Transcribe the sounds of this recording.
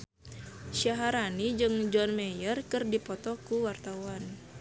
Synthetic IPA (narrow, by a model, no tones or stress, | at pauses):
ʃiaɦaɾanid͡ʒɨŋd͡ʒɔnmejərkɨrdipɔt̪ɔkuwart̪awan